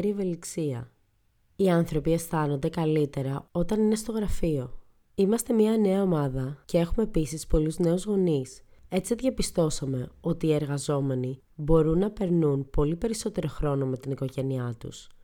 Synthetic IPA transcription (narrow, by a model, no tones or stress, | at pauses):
ɾieve̞liksiɐ̰ | iɐnθɾo̞pie̞st̪ɐno̞nd̪e̞kɐlit̪e̞ɾɐo̞t̪ɐnine̞st̪o̞ɣɾɐfio̞ | imɐst̪e̞mɲɐɐne̞ɐo̞mɐðɐce̞e̞xume̞ːpisispo̞luzne̞uzɣo̞nise̞t͡sieðʝɐpist̪o̞sɐme̞o̞t̪iːe̞ɾɣɐzo̞me̞ni | bo̞ɾunːɐpe̞ɾnunpo̞lipe̞ɾiso̞t̪e̞ɾo̞xɾo̞no̞me̞t̪iniko̞ʝe̞niɐt̪ṵs